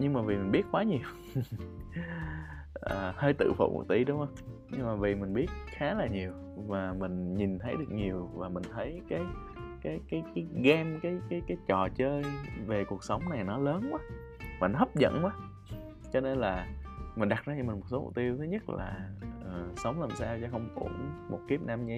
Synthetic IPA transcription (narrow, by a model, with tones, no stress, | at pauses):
ɲɨ˧ŋmaː˨˩vi˨˩mi˨˩ŋ̟ɓi˦˥ət̚kwaː˨˦ɲi˨˩əw | ʔəː˨˩həː˧jt̪ɨ̰˧˨fo̰˧˨kṵ˧˩t̪ḭ˧˩ɗʊ˧wŋ͡mhə˧wŋ͡mɲɨ˧ŋmaː˨˩vi˨˩mï˨˩ŋ̟ɓi˦˥ət̚xaː˨˦laː˨˩ɲi˨˩əw | vaː˨˩mï˨˩ŋ̟ɲi˨˩nt̪ʰə˨˦jɗɨ˨˩ək̚ɲi˨˩əwvaː˨˩mï˨˩ŋ̟t̪ʰə˨˦jkaː˨˦j | kaː˨˦jkaː˨˦jkaː˨˦jɣɛ˧mkaː˨˦jkaː˨˦jkaː˨˦jt͡ɕɔ˨˩t͡ɕəː˧jve˨˩ku˨˩ək̚sə˨˦wŋ͡mna˨˩jnɔ˨˦ləː˨˦nʔaː˨˦ | vaː˨˩nɔ˨˦hə˦˥p̚zə̰˧˨nʔwaː˨˦ | t͡ɕɔ˧ne˧nlaː˨˩mï˨˩ŋ̟ɗa˨˩zaː˧t͡ɕɔ˧m̟˨˩mo˨˩t̚so˨˦mṵ˨˧˩t̪i˧əwt̪ʰe˨˦ɲə˦˥t̚la̰ː˨˩ʔəː˨˩sə˨˦wŋ͡mlaː˨˩msaː˧wt͡ɕɔ˧˦xə˧wŋ͡mkṵ˧˩mo˨˩t̚ki˦˥əp̚naː˧mɲi˧